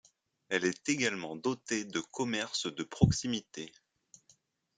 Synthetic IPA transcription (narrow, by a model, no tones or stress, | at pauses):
ɛlɛt̪eɡalmɑ̃d̪ɔt̪ed̪əkʰɔmɛʁsd̪əpχɔksimit̪e